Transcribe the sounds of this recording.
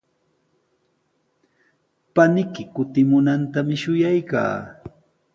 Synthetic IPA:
panɪkɪkʊt̪ɪmʊnant̪amɪʃʊjajka̰ː

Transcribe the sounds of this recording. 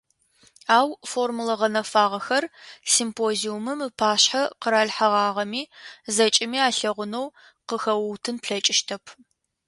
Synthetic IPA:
aːwformlɐʁɐnɐfaːʁɐxɐrsimpʰoːziumɨmɨpʰaːɕħaqəɾaːɮħaʁɑːʁɐmiːzɐt͡ʃʼɪmiːaːɬɐʁʷʊnow | qəxɐwwtʰɨnpɬɐt͡ʃʼɪʃtʰɐpʰ

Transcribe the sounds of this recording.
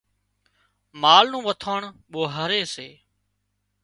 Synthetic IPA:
maːlnũːʋət̪ʰaːɳɓoːɦəɾeːseː

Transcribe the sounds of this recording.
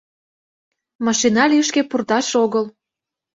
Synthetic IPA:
mɑʃinɑlʲiəʃkepurt̪ɑʃoɣəl

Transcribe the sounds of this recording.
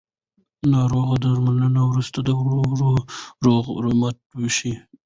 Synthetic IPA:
nɑɾoɣad̪əʒmananawɾust̪ad̪əwɾoɾoɾoɣɾomat̪̚wəʃi

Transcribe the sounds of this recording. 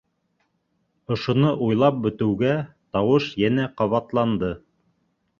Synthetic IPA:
ŏʃŏnɤʔujlˠɑp̚bɵ̆t̪ɘ̆wɡæt̪ɑwɤʃjænæqɑβɑt̪lˠɑnd̪ɤ

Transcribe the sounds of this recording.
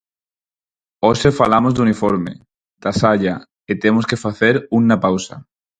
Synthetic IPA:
osefalamozd̪unifoɾmḛ | d̪̥asaʎa | et̪emoskefaθeɾunːapawsa̰

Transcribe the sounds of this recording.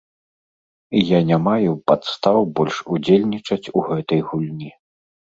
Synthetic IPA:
janʲamajupat̪st̪awbɔlʲʂud͡zʲelʲnʲit͡ʂɐt͡sʲuɣɛt̪ɐjɣulʲnʲi

